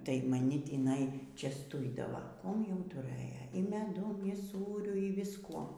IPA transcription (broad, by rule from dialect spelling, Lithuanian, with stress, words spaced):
tɐɪ mɐˈnʲɪ tʲiːˈnɐɪ t͡ʃʲɛsˈtʊɪdɐʋɐ ˈkuɔm jɛʊ tʊˈrɘjɛ iː mʲɛˈdʊm iː ˈsuːrʲʊ iː ʋʲɪsˈkuɔ